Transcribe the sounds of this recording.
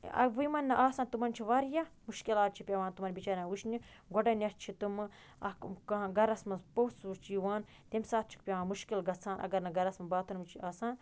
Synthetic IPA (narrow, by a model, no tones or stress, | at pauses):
ɐ̰ʋujmɐnːɐʔaːsaːnt̪umɐnt͡ʃʰiʋaɾjamuʃkilaːt̪̚t͡ʃʰipʲɐʋaːnt̪umɐɾbit͡ʃaːɾaːʋuʃnʲi | ɡoɖɐnʲɐst͡ʃʰit̪um | ɐkkɐɡɐɾɐsmɐpowsut͡ʃiːʋaːn | t̪ʲemsaːt̪̚ʰt͡ʃʰi̥k̚pʲjɐʋaːnmuʃkilɡɐt͡sʰaːnʔɐ̰ɡɐɾnɐɡɐɾɐsmɐbaːt̪ʰɐnmt͡ʃʰiʔaːsaːn